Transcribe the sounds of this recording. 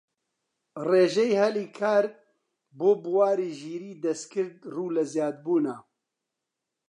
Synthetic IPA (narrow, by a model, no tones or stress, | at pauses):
reːʒɛjhɛliːkʰaːɾ | boːbuwaːɾiːʒiːɾiːd̪ɐst̪kʰɨɾd̪̚ruːlɐzjaːd̪̚buːnaː